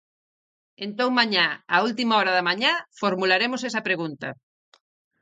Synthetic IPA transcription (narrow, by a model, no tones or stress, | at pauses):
ent̪oŋmaɲaault̪̬imaɔɾɐðɐmaɲafoɾmulaɾemosesɐpɾeɣunt̪ɐ